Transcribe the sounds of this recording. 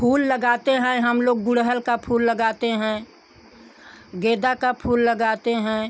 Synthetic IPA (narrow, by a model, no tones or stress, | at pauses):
pʰuːlːəɡaːt̪eɦɛ̃ɦəmloːɡːʊɽɦəlkapʰuːlːəɡaːt̪eɦɛ̃ | ɡeːd̪akapʰuːlːəɡaːt̪eɦɛ̃ː